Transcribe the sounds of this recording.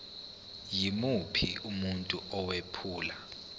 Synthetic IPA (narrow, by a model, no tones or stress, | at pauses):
jimupʰiumuntʼuɔwepʰuːla